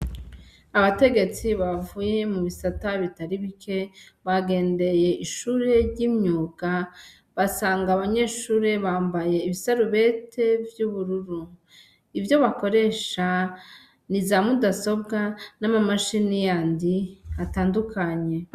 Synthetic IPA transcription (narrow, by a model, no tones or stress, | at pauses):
aβate̞ɡe̞t͡siβavuje̞muβisataβitaɾiβikʰe̞βaɡe̞ːnde̞je̞ʔiʃuːɾe̞ɾɟimɲuːɡa | βasaːŋɡaβaɲe̞ːʃuːɾe̞βaːmbaje̞iβisaɾuβe̞tʰe̞vjuːβuɾuɾu | ivjo̞βako̞ɾe̞ʃa | nizamudaso̞bɡanamamaʃinijaːndiataːndukʰaɲe̞